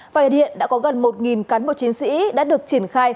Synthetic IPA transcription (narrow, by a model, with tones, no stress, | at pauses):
vaː˨˩˨ɗḭ˧˨əɗa̰ː˧˥kɔ˨˦ɣə˨˩nmo˨˩t̚ŋi˨˩nka˨˦nmo̰˨˧˨t͡ɕi˨˦ŋsḭ˧˥ɗa̰ː˧˥ɗɨ˨˩ək̚t͡ɕi˧˩ənxaː˧j